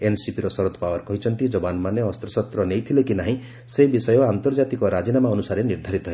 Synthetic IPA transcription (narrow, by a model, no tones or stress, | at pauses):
ensipiɾɔsɔɾɔt̪ʰɔpawɔɾkɔɦit͡ʃʰɔnt̪id͡ʒɔbanmaneɔst̪ɾɔsast̪ɾɔnejt̪ʰilekinaɦĩ | seibisɔjɔant̪ɔɾd͡ʒat̪ikɔɾad͡ʒinamaɔnusaɾeniɾd̪ʱaɾit̪ɔɦe